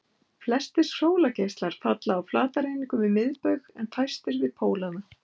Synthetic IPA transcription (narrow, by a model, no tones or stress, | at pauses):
flɛst̪ɪɾ̥roːwlacejst̪laɾ̥fat̪laːwflaːt̪aɾejniŋkʏvɪðmɪðpœɥɣɛnfʰajst̪ɪɾvɪðpʰoːwlaða